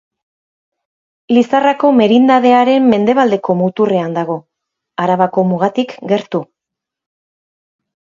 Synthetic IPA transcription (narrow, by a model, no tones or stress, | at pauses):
lisarako̞me̞ɾind̪að̞e̞aɾe̞mːe̞nd̪e̞β̞ald̪eko̞mut̪ure̞and̪aɣ̞o̞ | aɾaβako̞muɣ̞at̪ikɡe̞ɾt̪u